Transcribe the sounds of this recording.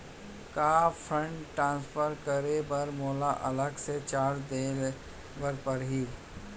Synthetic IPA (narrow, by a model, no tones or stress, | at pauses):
kaːpʰɾə̃ɳʈːʈɾãːnspʰəɾkəɾebɐɾmoːlaʔɐləɡset͡ʃaːɾd̪eːl | bəɾpəɾɦiː